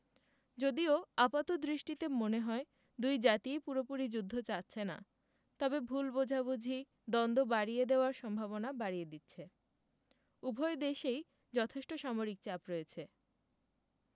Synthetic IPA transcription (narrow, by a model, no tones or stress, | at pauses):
d͡ʑod̪ioapat̪od̪ɾiʃʈit̪emoneɦɔe | d̪ujd͡ʑat̪iepuɾopuɾid͡ʑud̪ʱːot͡ɕatːɕʰena̰ | t̪ɔbebʱulbod͡ʑʱabud͡ʑʱi | d̪ɔnd̪ʱobaɽied̪eoaɾʃɔmbʱaβonabaɾijed̪itːɕʰe | ubʱɔed̪eʃej | d͡ʑɔt̪ʰeʃʈoʃamoɾik̚t͡ɕapɾɔet͡ɕʰe